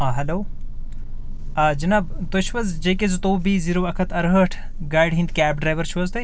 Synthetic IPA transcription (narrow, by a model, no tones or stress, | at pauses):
aɦɐloː | d͡ʒɐnaːbt̪ot͡ʃʰʋɐzd͡ʒejkezt̪oːbiːziɾoːɐkʰɐt̪ʰɐɾɦəːʈʰ | ɡaːjɖɦĩnd̪kʲæːp̚ɖɾaːjʋɐɾt͡ʃʰuʋɐzt̪ɐ